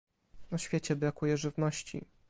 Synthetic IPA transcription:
ɔɕfʲjet͡ɕɛbɾakujɛʐɘvnɔɕt͡ɕḭ

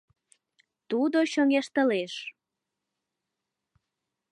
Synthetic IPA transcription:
t̪ud̪oɕoŋeʃt̪ə̆leʃ

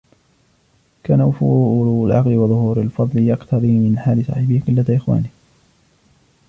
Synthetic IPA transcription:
kaːnawafuːalʕɑqlɪwɑðˤʊhuːɾalfɑðˤlɪjɑqt̪ʰɑðˤiːmɪnħaːlɪsˤɑ̰ːħɪbɪhqʊlːat̪aʔɪxwa̰ːniː

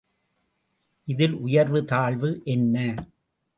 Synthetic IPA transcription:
ʔɪðɪlʔʊjɐɾʋɯt̪aːɭʋɯʔɛnːɐ

